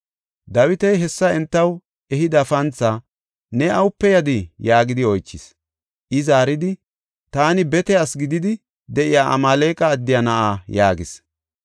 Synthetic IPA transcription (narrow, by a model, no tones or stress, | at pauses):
d̪ɐwɪt̪ɛjɦɛsːɐɛnt̪ːɐw | ɛɦɪd̪ɐfɐnt͡sːa | nɛɐwʊpːɛjɐd̪ɪjaːɡɪd̪ɪɔjt͡ʃːɪs | ʔɪzaːɾɪd̪ɪ | t̪aːnɪbɛt̪ɛasɡɪd̪ɪd̪ɪ | d̪ɛʔɪjaːʔɐ̰maːle̞ːkʼɐːd̪ːɪjɐnɐʔaːjaːɡɪs